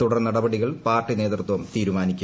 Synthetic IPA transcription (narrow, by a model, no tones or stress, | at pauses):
t̪uɽɐrnɐɽɐbɐɽiɣɐɭpaːrʈːine̞ːt̪rt̪ʋɐmt̪iːɾumaːnikʲː